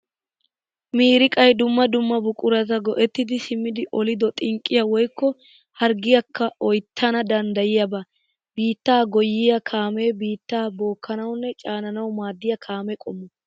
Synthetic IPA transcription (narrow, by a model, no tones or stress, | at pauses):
miːɾɪkʼɐjd̪ʊmːɐd̪ʊmːɐbʊkʼʊɾɐzɐɡɔʔɛt̪ːɪd̪ɪsɪmːɪd̪ɪʔɔlɪd̪ɔt̪ʼɪŋkʼːɪjɐwɔjkːɔ | hɐɾɡɪjɐkʰːɐʔɔjt̪ʰːɐnɐd̪ɐnd̪ɐjɪjɐbɐ | biːt̪ːaːɡɔjːɪjɐkʰaːmeːbiːt̪ːaːbo̞ːkːɐnɐwnːɛt͡ʃʼaːnɐnɐwmaːd̪ːɪjɐkʰaːmɛkʼɔmːɔ